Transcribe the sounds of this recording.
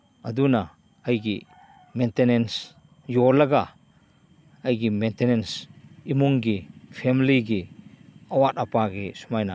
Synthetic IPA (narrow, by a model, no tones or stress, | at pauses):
ɐduna | ɐjɡi | mentenens | jɔlɐɡa | ɐjɡimentenensimuŋɡipʰemiliɡi | ɐwat̚ɐpaɡisumajna̰